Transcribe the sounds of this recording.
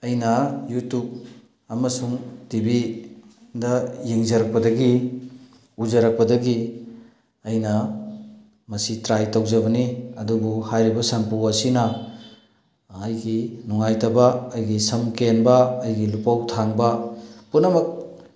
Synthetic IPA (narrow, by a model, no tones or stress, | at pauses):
ɐjnɐjutub̚ | ɐmɐsuŋtibi | dɐjeŋzɐɾɐk̚pɐdɐɡi | uzɐɾɐk̚pɐdɐɡi | ɐjnɐ | mɐsitɾajtawzɐbɐniɐdubuhajɾibɐsɐnpuwɐsinɐ | jɡinuŋajtɐbɐːjɡisɐmkenbɐːjɡilupawtʰaŋbɐpunːɐmɐk̚